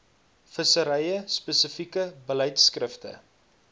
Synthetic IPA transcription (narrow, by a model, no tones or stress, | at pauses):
fəsəɾɛjəspɛsəfikəbəlɛjtskrəftə̰